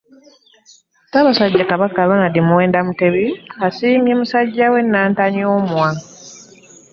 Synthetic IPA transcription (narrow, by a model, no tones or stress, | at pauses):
taβasaɟːakaβakaβanadimuwe̞ːndamuteβiasiːmjemusaɟːawe̞nːaːntaɲoːmwa